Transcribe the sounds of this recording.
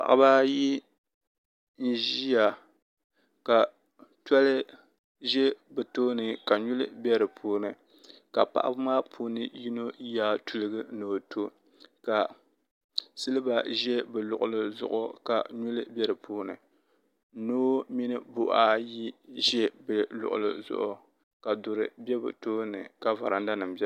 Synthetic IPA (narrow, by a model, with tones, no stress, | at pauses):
pa̰˨ʔa̰˦ba˦ji˦ | n̩˦ʒi˦ja˨ | ka˨ | tɔ˦lɨ˦ | ʒɛ˦bɛ˨toː˦nɨ˨ka˨ɲu˦lɨ˦bɛ˦ɾɨ˨pʰuː˦nɨ˨ | ka˨pa̰˦ʔa̰˦bɨ˦maː˦pʰuː˦nɨ˨ji˦no˦jaː˦tu˨lɨ˦ɡɨ˦noː˨tʰo˦ | ka˨ | sɨ˦lɨ˦ba˨ʒɛ˦bɛ˨lʊ̰˨ʔʊ˨lɨ˨zʊ̰˨ʔʊ˨ka̰˨ɲu˦lɨ˦bʲɛ˦ɾɨ˨pʰuː˦nɨ̰˨ | noː˦mi˦nɨ˦bo˨ʔa˦ji˦ʒɛ˦bɛ˨lʊ̰˨ʔʊ̰˨lɨ̰˨zʊ̰˨ʔʊ˨ | ka˨dʊ˨ɾɨ˨bɛ˦bɨ̰˨toː˦nɨ̰˨ka˨va̰˨ɾa˨n˦da˦nɨ˨m˨bɛ˦